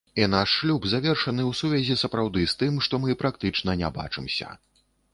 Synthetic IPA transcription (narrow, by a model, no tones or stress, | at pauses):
inaʂːlʲubzavʲɛrʂɐnɨwsuvʲazʲisɐpɾawd̪ɨst̪ɨmʂt̪ɔmɨpɾak̚t̪ɨt͡ʂnɐnʲɛ̰ba̰t͡ʂɨmsʲɐ̰